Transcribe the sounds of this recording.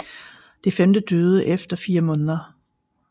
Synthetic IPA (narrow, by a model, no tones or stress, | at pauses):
d̥e̝femd̥əd̥øːð̞̩ˠəʔefd̥ɐfiːɐmɔ̽ːnðˠɐ